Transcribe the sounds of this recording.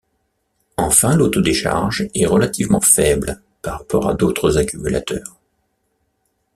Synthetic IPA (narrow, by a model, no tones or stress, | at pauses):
ɑ̃fɛ̃lot̪od̪eʃa̰ʁʒɛʁəlat̪ivmɑ̰̃fɛbl | paʁapɔʁa̰d̪ot̪χəzakʲymyla̰t̪ʰœːʁ